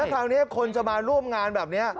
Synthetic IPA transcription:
ɛ˦˥kʰaː˧wni˦˥ɐkʰo˧nt͡ɕa˨maː˧ɾu˥˩əmŋaː˧nbɛː˨˩p̚ni˦˥ɐɐ

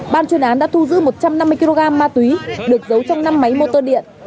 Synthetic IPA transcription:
ɓaː˧˩nt͡ɕwi˧ənʔaː˨˦nɗa̰ː˧˥t̪ʰu˧zɨ̰˧˥mo˨˩t̚t͡ɕa˧mna˧mːɨ˧əjki˧lo˧ɣaː˧mːaː˧t̪wi˨˦ɗɨ˨˩ək̚zə˨˦wt͡ɕɔ˧wŋ͡mna˧mːa˨˦jmo˧t̪əː˧ɗḭ˧˨ənʔ

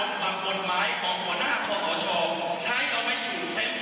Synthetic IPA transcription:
la˨˧˩p̚ko˨˩t̚maː˨˦˥jkʰɔː˩˦ŋpʰu˨˩˦naː˥˩˧pʰu˥˩kʰɔː˩˦t͡ɕʰɔː˧ | t͡ɕʰa˦˥jʔa˧wma˧˩jjuː˨˩t̪e˦˥˩n

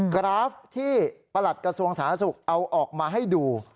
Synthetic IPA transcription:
kɾaː˦˥ft̪ʰiː˥˩pa˧la˨˩t̪̚kɾa˧su˧əŋsaː˩˦na˦˥su˨˩k̚ʔa˧wʔɔː˨˩k̚maː˧ɦa˥˩jduː˧

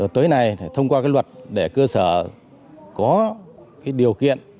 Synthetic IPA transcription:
t̪əː˨˦jna˨˩jt̪ʰə˧wŋ͡mkwaː˧kaː˨˦jlwə˨˩t̚ɗe˧˩kəː˧səː˧˩ | kɔ˨˦kaː˨˦jɗi˨˩əwkḭ˧˨ən

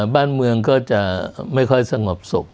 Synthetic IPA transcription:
baː˥˩nmɯ˧əŋkɔː˥˩t͡ɕa˨˩ma˥˩jkʰɔ˥˩jsa˧ŋo˨˩p̚so̰˨˩k̚

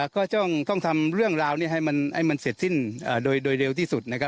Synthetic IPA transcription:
kʰɔː˥˩tt͡ɕɔ˥˩ŋt̪ɔ˥˩ŋt̪ʰa˧mɾɯ˥˩əŋɾaː˧wniː˥˩ɦa˥˩jma˧nha̰˥˩jma˧nse˨˩t̪̚si˥˩nʔaː˨˩doː˧jdoː˧jɾe˧wt̪ʰiː˥˩su˨˩t̪̚na˧kʰa˧˥p

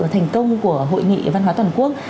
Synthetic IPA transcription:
t̪ʰɛ˨˩jŋ̟kə˧wŋ͡mku˧˩əɦo̰˧˨jŋḭ˧˨va˧nhwaː˨˦t̪wa˨˩nku˦˥ək̚

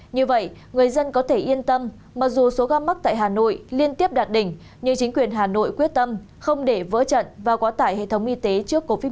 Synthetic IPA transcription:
ɲɨ˧və̰˧˨j | ŋɨ˨˩əjzə˧nkɔ˨˦t̪ʰe˧˩ʔi˧ənt̪ə˧mː | aː˨˩k̚zu˨˩so˨˦ɣaː˧ma˦˥k̚t̪a̰ː˧˨jɦaː˨˩no̰˧˨jli˧ənt̪i˦˥əp̚ɗaː˨˩t̚ɗï˨˩ŋ̟ | ɲɨ˧ŋt͡ɕï˨˦ŋ̟kwi˨˩ənɦaː˨˩no̰˧˨jkwi˦˥ət̚t̪ə˧m | xə˧wŋ͡mɗe˧˩və̰˧˥t͡ɕə̰˧˨nvaː˨˩kɔ˨˦t̪aː˧˩jhḛ˧˨t̪ʰə˨˦wŋ͡mʔi˧t̪e˨˦t͡ɕɨ˦˥əkːo˧vi˦˥

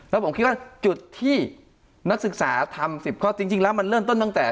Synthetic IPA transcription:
lɛ˦˥wpʰo˩˦mki˦˥t̪wa˥˩t͡ɕu˨˩t̪ʰːiː˥˩ | na˦˥k̚sɯ˨˩k̚saː˩˦t̪ʰa˧msi˨˩p̚kʰɔː˥˩t͡ɕi˧ŋt͡ɕi˧ŋlɛː˦˥wma˧nɾɤː˥˩˨mt̪o˥˩˨nt̪a˥˩t̪ɛː˨˩

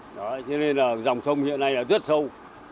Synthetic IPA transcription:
ɗɔ˨˦t͡ɕɔ˧ne˧naː˨˩za˨˩wŋ͡msə˧wŋ͡mhḭ˧˨ənːa˧jʔəː˨˩zə˦˥t̚sə˧w

